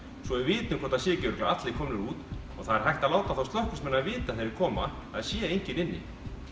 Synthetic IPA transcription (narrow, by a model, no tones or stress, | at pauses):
svɔɛɪɾvɪːt̪nɪmkʰɔɾt̪asjɛːcɛɾʏklaat̪lɪkʰɔːmnɪɾuːt̪ɔɣθaðɛɾɦajht̪aðlaːwt̪aθawst̪lɔhkʏ̥smɛnːaðvɪːt̪aθejɾɪɾkʰɔːma̰ | aðsjɛːejɲ̥cɪnɪnːɪ̰